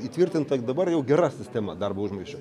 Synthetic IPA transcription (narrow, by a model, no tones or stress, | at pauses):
iːt̪ʲʋʲɪrʲt̪ʲɪnt̪ɐd̪ɐbɐrjɛʊɡʲɛɾɑsʲɪsʲtʲæmɐd̪ɐrbɐʊʒmɐɪʃt͡ʃʲʊ